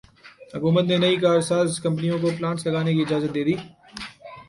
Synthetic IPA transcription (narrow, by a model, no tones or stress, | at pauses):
hɐkuːmət̪nenɐikaːɾsaːzkɐ̃mp̬ənijõkop̬lãːʈslɐɡaːnek̬iɪd͡ʒaːzət̪̚d̪eːd̪iː